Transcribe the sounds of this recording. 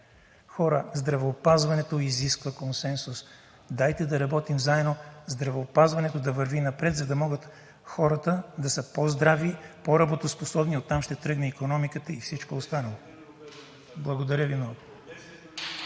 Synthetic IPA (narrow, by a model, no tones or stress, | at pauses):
xɔɾəzd̪ɾɐvɛːpazvɐnɛt̪oiziskvəkonsɛnsus | d̪ajt̪ɛd̪ɐɾɐbɔt̪imzaɛd̪nozd̪ɾɐvɛopazvɐnɛt̪od̪ɐvəɾvinɐpɾɛt̪zɐd̪ɐmɔɡət̪ | xɔɾət̪əd̪ɐsəpozd̪ɾavipoɾɐbot̪osposɔbniot̪ːamʃt̪ɛt̪ɾɤɡnɛikonɔmikət̪əifsit͡ʃkoost̪anəlˠo | blˠɐɡod̪ɐɾʲjəvimnɔɡo